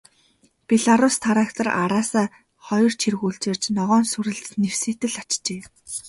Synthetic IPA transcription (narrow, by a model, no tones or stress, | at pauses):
piɮaɾʊst̪ʰaɾaːkt̪ə̆rʔaɾaːsaː | χɔjɞ̆r̥t͡ɕʰirɣuːɬt͡ɕɪ̆ːr̥t͡ɕnɔʁɔːnsuɾɘ̆ɮt͡snew̥seːt̪ɘ̆ɮat͡ɕt͡ɕeː